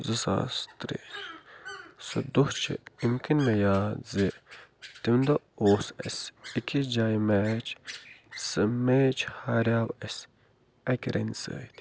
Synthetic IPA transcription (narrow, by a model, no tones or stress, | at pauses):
zɨsa̰ːst̪ɾḭ | sɨ̰d̪uht͡ʃʰḭimkinmejaːzet̪imnd̪ɐ | oːsɐ̰sikʲʰid͡ʒajmɛːt͡ʃ | sɨmeːt͡ʃʰhaːɾʲjaːbesʲ | ɐkʲɾʔɐ̰nʲsə̰ːjt̪ʲʰ